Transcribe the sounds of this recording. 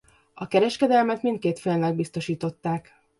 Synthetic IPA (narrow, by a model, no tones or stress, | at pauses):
ɒkɛɾɛʃkɛd̪ɛlmɛt̪mint̪̚keːt̪fenlɛɡ̚bist̪o̞ʃiːt̪o̞t̪ːaːk